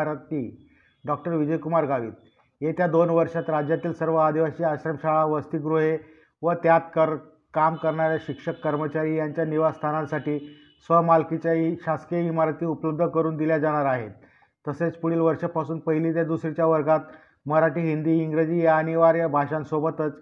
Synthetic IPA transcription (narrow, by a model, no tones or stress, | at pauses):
ɾt̪i | ɖɔk̚ʈəɾʋid͡ʑəjkumaɾɡaʋḭːt̪ | et̪jad̪onʋəɾʂat̪ɾad͡ʑjat̪iːlsəɾʋəad̪iʋaɕiːaɕɾəmɕaɭaʋəst̪iɡɾuɦe | ʋət̪jat̪kəɾ | kamkəɾɳaɾjaɕikʂəkːəɾmət͡ɕaɾiːjaɲt͡ɕjaniʋast̪ʰanãnsaʈiː | sʋəmalkit͡ɕjaiɕaskimaɾt̪iːupləb̚d̪ʱəkəɾuːnd̪iljad͡zaɽ̃aɾaɦet̪ː | əset͡spuɽiːlʋəɾʂəpasuːnpəɦiliːt̪jad̪usɾit͡ɕjaʋəɾɡat̪̚ | məɾaʈiːɦind̪iːiŋɡɾed͡ʑiːjaəniʋaɾjabʱaʂãnsobət̪ət͡s